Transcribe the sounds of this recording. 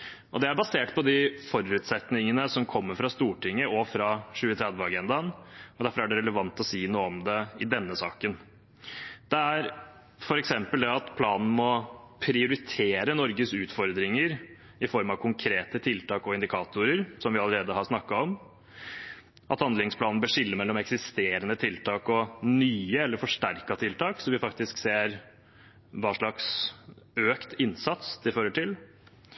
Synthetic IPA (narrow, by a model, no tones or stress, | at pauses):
ʔɔd̪ɛæɾbɑseːʈpʰɔd̪ɪfɔɾʉːt̪sɛt̪nɪŋənəsɔmkʰɔmːəɾfɾɑst̪uːʈɪŋːəɔfɾɑɕʉːət̪ʰɾɛd̪ʋəɑɡɛnd̪ɑnɔd̪æɾfɔɾæɖɛɾɛləʋɑnt̪ɔsiːnuːəɔmd̪ɛɪd̪ɛnːəsɑːkən | d̪̥ɛæɾ | fɔɾɛksɛmpəld̪ɛɑt̪pʰlɑːnn̩mɔpʰɾɪʊɾɪt̪ʰeːɾənɔɾɡəsʉːt̪fɔɾd̪ɾɪŋəɾ | ɪfɔɾmɑʋkʰʊŋkʰɾeːt̪ət̪ʰɪlt̪ʰɑːkɔɪnd̪ɪkʰɑːt̪ʊɾəɾsɔmʋɪɑləɾeːd̪əhɑʂnɑkːɑɔm | ʔɑ̰t̪hɑnd̪lɪŋspʰlɑːnn̩bəʂɪlːəmɛlːɔmɛksɪst̪eːɾənət̪ʰɪlt̪ʰɑːkɔnyːəɛlːəɾfɔʂʈæɾkɑt̪ʰɪlt̪ʰɑːksɔmʋɪfɑk̚t̪ɪskseːɾ | ʋɑːʂɭɑks | øːkt̪ɪnːsɑt̪sd̪ɪføːɾəʈɪl